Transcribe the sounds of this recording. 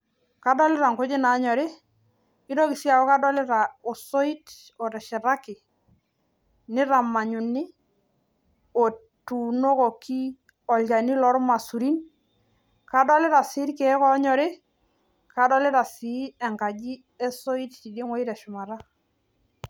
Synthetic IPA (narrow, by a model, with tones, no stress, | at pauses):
ka˨˦dɔ˦lɪ˦ɾa˨ŋko˦d͡ʒɪ˦na˨˦ɲɔ˨ɾɪ˦ | i˦do˦ki˨si˦a˨ɔ˦ka˦dɔ˦lɪ˦ɾa˨o˨so˦i˦t | ɔ˨ɾɛ˨ʃɛ˨ɾa˦kɪ˨ | nɪ˦ɾa˨ma˨ɲu˨nɪ˦ | o˨ | tu˨no˦ko˨ki˦ | ɔ˨lɡa˨ni˦lɔ˦ɾma˨su˨ɾi˦n | ka˨dɔ˦lɪ˦ɾa˨si˦ɾkɛ˨˦kɔ˦ɲɔ˨ɾɪ˦ | ka˨dɔ˦lɪ˦ɾa˨si˨˦ɛ˨ŋka˨d͡ʒi˦ | ɛ˦so˦i˦tti˨de˦ŋɔ˦i˦ɾɛ˨ʃʊ˨ma˨ɾa˦